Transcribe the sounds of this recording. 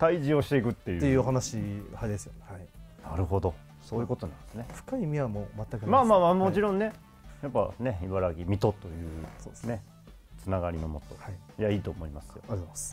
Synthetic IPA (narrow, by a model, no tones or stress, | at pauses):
t̪aiʑio̞ɕi̥t̪e̞ikɯ̟t̪ːe̞jɯt̪ːejɯːoɦanaɕihaid̪e̞sɨjonhainaɾɯ̟ɦo̞d̪o̞ | so̞ːjɯ̟ko̞t̪o̞nã̰nd̪esɨne̞fɯ̥kaimʲiamomat̪ːakɯnmaːmaːmaːmot͡ɕiɾõ̞nne̞ | japːa̰neiβaɾaɡʲimʲit̪o̞t̪o̞jɯ̟ːsone̞ | t͡sɨnaɡaɾʲinomo̰t̪ːo̞̰hai | jaiːt̪o̞ːmo̞imasɨ̥jomas